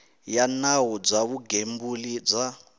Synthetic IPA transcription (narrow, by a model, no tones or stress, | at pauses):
janaɦɔb͡ʐaβuɡembulid͡za